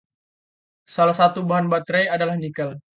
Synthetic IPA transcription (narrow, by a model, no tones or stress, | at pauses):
salahsat̪ubaɦanbat̪ɾejadalahnikəl